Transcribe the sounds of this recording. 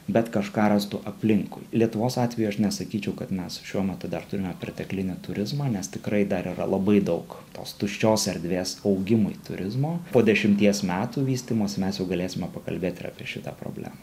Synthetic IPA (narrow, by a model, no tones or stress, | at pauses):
bʲɛt̪kɐʃkɑːɾɑst̪uʔɐpʲlʲɪŋkʊ̰ɪlʲiɛt̪ʊʋoːsɑːt̪ʲʋʲɛjuɐʃnʲɛsɐkʲiːt͡ʃʲɛʊkɐt̪mʲɛsʃʲuɔmʲɛt̪ʊd̪ɐrt̪ʊɾʲɪmʲɛpʲɾʲɪt̪ʲɛklʲɪnʲɪt̪ʊɾʲɪzmɑːnʲɛst̪ʲɪkɾɐɪd̪ɐɾʔiːɾɐ̰lˠɐbɐɪd̪ɐʊkt̪o̰ːst̪ʊʃʲt͡ʃʲoːsɛɾʲd̪ʲʋʲeːsɒʊɡʲɪmʊɪt̪ʊɾʲɪzmoːpoːd̪ʲɛʃʲɪmʲt̪ʲiɛsmʲæːt̪uːʋʲiːsʲt̪ʲiːmɐsʲɪmʲɛsjɛʊɡɐlʲeːsʲɪmʲɛpɐkɐ̰lʲbʲeːt̪ʲɪɾɑ̰pʲiɛʃʲɪt̪ɑpɾo̰ːbʲlʲæ̰ːmɐː